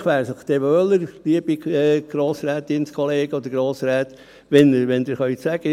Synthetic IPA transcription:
χʋæːɾsəχd̪ɛʋøləɾliəb̥iɛɡ̥ɾoːsɾæːt̪ɪnskʰoleːɡ̥əɔd̪əɾɡɾoːsɾæːt̪ | ʋɛnʋɛnd̪ɪɾχœʏt̪sæɡ̥ə

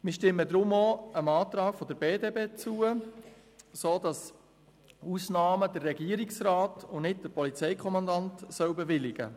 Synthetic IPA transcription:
mɪʃtɪmːədɾʊmoəmɑːt̪ɾɑːɡ̥fɔdəɾb̥eːdeːbeːt͡suːə | soːdɑs | usnɑːmədərːɛɡiəɾɪksraːtʊnɪt̚d̥əɾpɔlit͡sɛɪkʰɔmɑndɑntsœwbɛʋɪlɪɡ̥ə̰

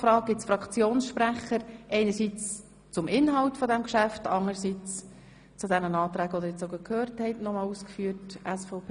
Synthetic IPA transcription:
fɾɑːk̚ɡɪt͡sfɾɑkt͡sjoːnsʃpɾæχəɾʔɛɪnəɾsit͡s | t͡sʊmʔɪnɦɑʊtfɔdɛmkʃæftɑŋəɾsiːt͡s | t͡sudɛnənɑːt̪ɾæːɡɔd̪əɾjɛt͡soɡəkʰhøːɾthɛɪtnɔmɑːluːskfyːtʔɛsfɔʊpʰː

